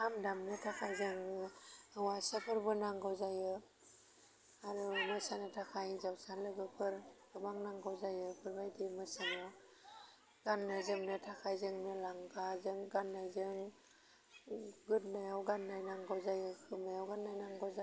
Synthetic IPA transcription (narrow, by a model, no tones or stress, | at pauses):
amdamnɯtʰakʰajzɯŋ | awasapʰɯɾbɯnaŋɡawzajɯ | aɾumɯsanɯtʰakʰajzawsalɯɡɯpʰɯɾɡɯbaŋnaŋɡawzajɯpʰɯɾbajdimɯsanɯ | ɡanːɯzɯmnɯtʰakʰajzɯŋnɯlaŋɡazɯŋɡanːajzɯŋ | ɡɯt̚najawɡanːajnaŋɡɔwzajɯkʰɯmajawɡanːajnaŋɡɔwza